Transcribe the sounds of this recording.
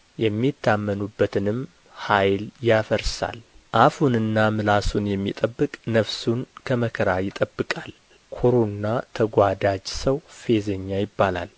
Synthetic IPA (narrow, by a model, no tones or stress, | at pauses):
jɛmːit̪ʰːamːənubːət̪ʰɨnɨm | hajljafəɾsa̰lʔafunɨnːamɨlasunjɛmːit̪ʼəbːɨkʼnəfsunkʰəməkʰəɾajɪt̪ʼəbːɨkʼal | kʰoɾonːat̪ʰəɡʷad̪ad͡ʒsəwfe̞zəɲːajɪbːala̰l